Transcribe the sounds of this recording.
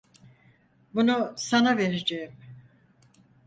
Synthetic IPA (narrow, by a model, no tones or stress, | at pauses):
bunusanave̞ɾed͡ʒejim